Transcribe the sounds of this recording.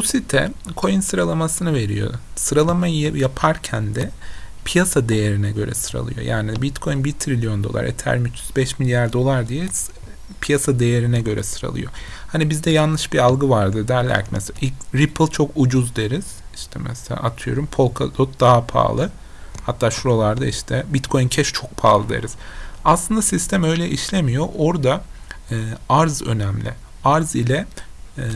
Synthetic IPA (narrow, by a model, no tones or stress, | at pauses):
busit̪ʰɛ̰kʰo̞jɯnsɯɾalˠamasɯnɯve̞ɾḭjo̞̰sɯɾalˠamajɯjapʰaɾcʰænd̪ɛpʰijasad̪e̞jeɾinɛɟø̞ɾɛ̰sɯɾa̰lˠɯ̰jo̞̰ja̰ːnibit̪kʰo̞jnbit̪ʰɾilʲijo̞nd̪o̞lˠa̰ɾḛt̪ʰæ̰ɾʲmit͡ʃʰyzbɛʃmilʲjaɾd̪o̞lˠaɾd̪ijɛs | pʰijasad̪e̞jeɾinɛɟø̞ɾɛ̰sɯɾa̰lˠɯ̰jo̞̰hanibizd̪ɛjanlɯʃbialˠɡɯvaɾd̪ɯd̪æɾlʲæ̰ɾcmɛseaʔiɾipʰɯlˠt͡ʃʰo̞kud͡ʒuzd̪eɾiz̥iʃt̪ʰɛmɛ̰selʲa̰ːʔat̪ʰɯjo̞̰ɾumpʰo̞lˠkʰad̪ot̪̚d̪aɦapʰa̰ːlˠɯ | hat̪ʰːaːʃuɾolˠaɾd̪aiʃt̪ʰɛbit̪kʰo̞jyncʰɛʃt͡ʃʰo̞k̚pʰa̰ːlˠɯd̪ḛɾiz̥aslˠɯnd̪asist̪ʰæmø̞jlʲɛʔiʃlʲemijo̞ʔo̞ɾd̪aː | aɾzø̞̰næmlʲɪ̰ | aɾzilʲɛ